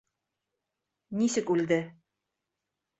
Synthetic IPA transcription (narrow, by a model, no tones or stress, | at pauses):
nisɘkʉld̪ɘ